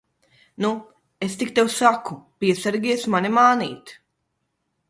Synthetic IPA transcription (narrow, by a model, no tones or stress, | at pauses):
nu | est̪ikt̪ewsakupʲiɛsaɾɡʲiɛsmanimaːnḭːt̪